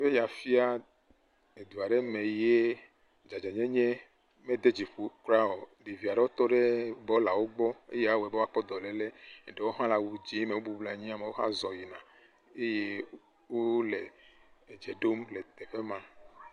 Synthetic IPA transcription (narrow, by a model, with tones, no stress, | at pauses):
ve˦ja˨fi˦a˦ | e˨d̪u˨a˨ɖe˦me˨je˦ | d͡ʒa˨d͡ʒa˨ɲɛ̃˦ɲẽ˦ | mẽ˦d̪e˦d͡ʒi˨ɸu˨kɾa˦o˨ɖi˨vi˨a˨ɖe˦wo˦t̪ɔ˦ɖe˦bɔ˦la˨wo˦ɡ͡bɔ˦ḛ˦je˦a˦we˨be˦a˦k͡pɔ˦d̪ɔ˨le˨le˦˨ɖe˨wo˦ɦã˦la˨wu˨d͡ʒi˨˦me˨wo˦bu˦bla˨ɲĩ˦a˨me˨wo˦ɦa̰˦zɔ˨ji˨nã˨ | e˦je˦ | wo˦le˨d͡ʒe˨ɖo˦mle˨t̪e˨ɸe˦mã˦